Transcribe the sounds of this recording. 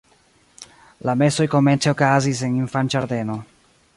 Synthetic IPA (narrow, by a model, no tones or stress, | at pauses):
lamesojkoment̪seokazis̬eniɱfant͡ʃaɾd̪eno